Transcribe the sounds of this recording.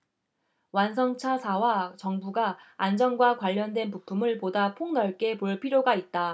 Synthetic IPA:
wans̬ʰʌŋt͡ɕʰasʰawat͡ɕʌŋbuɡaːnd͡ʑʌŋɡwakwaʎːʌndwe̞npupʰumɯɭpodapʰoŋnʌɭk͈e̞poɭpʰiɾjoɡait̚t͈a

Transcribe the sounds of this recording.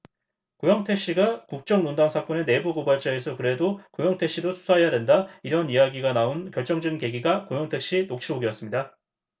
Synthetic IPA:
kojʌŋtʰe̞k̚ɕ͈iɡakuk̚t͡ɕ͈ʌŋnondaŋsʰak͈ʌne̞ne̞buɡobaɭt͡ɕ͈aesʰʌkɯɾe̞dokojʌŋtʰe̞kɕ͈idosʰu̥sʰaɦejadwe̞ndaiɾʌnijaɡiɡanaonkjʌɭt͡ɕ͈ʌŋd͡ʑʌɡinke̞ɡiɡakojʌŋtʰe̞k̚ɕ͈inok̚t͡ɕʰiboɡiʌs͈ɯmɲida

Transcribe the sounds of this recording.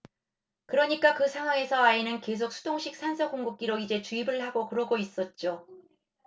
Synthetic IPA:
kɯɾʌɲik͈akɯsʰaŋɦwaŋe̞sʰʌainɯnke̞s̬ʰok̚sʰu̥doŋɕʰik̚s͈ʰansʰʌkoŋɡok̚k͈iɾoid͡ʑe̞t͡ɕuibɯɭhaɡokɯɾʌɡois͈ʌt̚t͡ɕ͈o

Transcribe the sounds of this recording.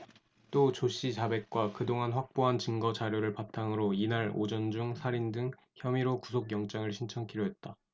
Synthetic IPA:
t͈ot͡ɕoɕ͈it͡ɕabe̞k̚k͈wakɯdoŋanɸwak̚p͈oɦant͡ɕɯŋɡʌt͡ɕaɾjoɾɯɭpatʰaŋɯɾoinaɾo̰d͡ʑʌnd͡ʑuŋsʰaɾindɯŋ | çjʌmiɾokusʰoɡjʌŋt͡ɕ͈aŋɯɭɕʰint͡ɕʰʌŋkʰiɾjoɦe̞t̚t͈a

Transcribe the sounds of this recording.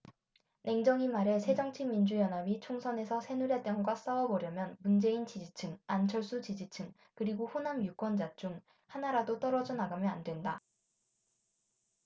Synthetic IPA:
nʔe̞ŋd͡ʑʌŋimaɾe̞sʰe̞d͡ʑʌŋt͡ɕʰimind͡ʑujʌnɦabit͡ɕʰoŋsʰʌne̞sʰʌsʰe̞nuɾjet͈jʌŋɡwas͈ʌwʌbʌɾjʌmjʌnmund͡ʑe̞int͡ɕid͡ʑit͡ɕʰɯŋant͡ɕʰʌɭs͈ut͡ɕid͡ʑit͡ɕʰɯŋ | kɯɾiɡoɸonamjuk͈wʌnd͡ʑat͡ɕ͈uŋ | hanaɾadot͈ʌɾʌd͡ʑʌnaɡamjʌandwe̞nda

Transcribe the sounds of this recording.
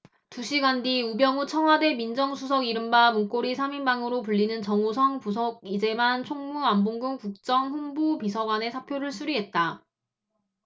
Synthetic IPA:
tuɕʰiɡandiubjʌŋut͡ɕʰʌŋɦwade̞mind͡ʑʌŋsʰusʰʌɡiɾɯmbamunk͈oɾisʰaminbaŋɯɾopuɭːinɯnt͡ɕʌŋosʰʌŋpus̬ʰʌɡ̚id͡ʑe̞mant͡ɕʰoŋmuamboŋɡɯŋkuk̚t͡ɕ͈ʌŋɸunbupisʰʌɡwane̞sʰapʰjoɾɯɭsʰuɾiɦe̞t̚t͈a

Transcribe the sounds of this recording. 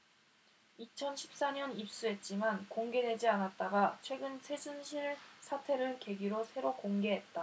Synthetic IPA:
it͡ɕʰʌnɕʰi̥p̚s͈aɲʌnip̚s͈uɦe̞t̚t͡ɕ͈imankoŋɡe̞dwe̞d͡ʑianat̚t͈aɡat͡ɕʰwe̞ɡɯnsʰe̞d͡ʑunɕʰiɭsʰatʰe̞ɾɯɭke̞ɡiɾosʰe̞ɾokoŋɡe̞ɦet̚t͈a

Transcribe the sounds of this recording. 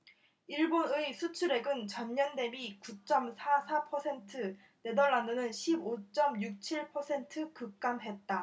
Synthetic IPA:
iɭbonɯisʰut͡ɕʰuɾe̞ɡɯnt͡ɕʌnɲʌnde̞mikut͡ɕ͈ʌmsʰasʰapʰʌsʰe̞ntʰɯ | ne̞dʌɭːanɯnɯnɕʰibot͡ɕ͈ʌmjuk̚t͡ɕʰiɭpʰʌsʰe̞ntʰɯkɯk̚k͈amɦe̞t̚t͈a

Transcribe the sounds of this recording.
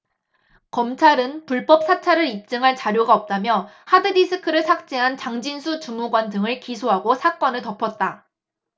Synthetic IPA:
kʌmt͡ɕʰaɾɯnpuɭp͈ʌp̚s͈ʰat͡ɕʰaɾɯɾip̚t͡ɕ͈ɯŋɦaɭt͡ɕaɾjoɡaʌp̚t͈amjʌhadɯdisʰɯkʰɯɾɯɭsʰak̚t͡ɕ͈e̞ɦant͡ɕaŋd͡ʑinsʰut͡ɕumuɡwandɯŋɯɭkisʰoɦaɡosʰak͈ʌnɯɭtʌpʰʌt̚t͈a

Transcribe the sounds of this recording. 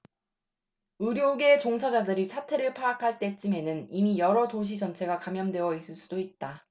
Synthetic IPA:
uɾjoɡe̞t͡ɕoŋsʰad͡ʑadɯɾisʰatʰe̞ɾɯɭpʰaːkʰaɭt͈e̞t͡ɕ͈ime̞nɯnimijʌɾʌtoɕ̬ʰid͡ʑʌnt͡ɕʰe̞ɡakamjʌndwe̞ʌis͈ɯɭs͈ud̥oit̚t͈a

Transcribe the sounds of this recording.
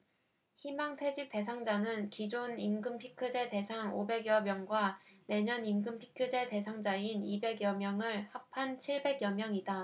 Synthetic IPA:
çimaŋtʰwe̞d͡ʑik̚t͈e̞sʰaŋd͡ʑanɯnkid͡ʑonimɡɯmpʰikʰɯd͡ʑe̞te̞sʰaŋobe̞ɡjʌmjʌŋɡwane̞ɲʌnimɡɯmpʰi̥kʰɯd͡ʑe̞te̞sʰaŋd͡ʑainibe̞ɡjʌmjʌŋɯɭhak̚pʰant͡ɕʰiɭbe̞ɡjʌmjʌŋida

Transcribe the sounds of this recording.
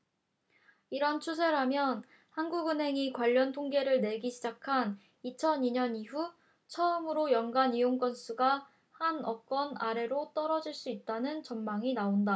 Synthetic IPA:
iɾʌnt͡ɕʰusʰe̞ɾɦamjʌn | hanɡuɡɯnɦe̞ŋikwaʎːʌntʰoŋɡe̞ɾɯɭne̞ɡiɕʰid͡ʑakʰan | it͡ɕʰʌniɲʌniɸu | t͡ɕʰʌɯmɯɾojʌŋɡanioŋk͈ʌns͈uɡa | hanʌk͈wʌnaɾe̞ɾot͈ʌɾʌd͡ʑiɭs͈uit̚t͈anɯnt͡ɕʌnmaŋinaonda

